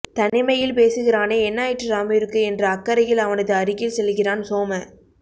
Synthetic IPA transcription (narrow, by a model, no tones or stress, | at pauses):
t̪ɐnɪmɐjɪlpeːsɯɣɪɾaːneːɛnːaːjɪʈːɯɾaːmɪjɾɯkːɯɛndrɐɐkːɐɾɐjɪlɐʋɐnɐðɯɐɾɪɣɪlsɛlːɯɣɪraːnsoːmɐ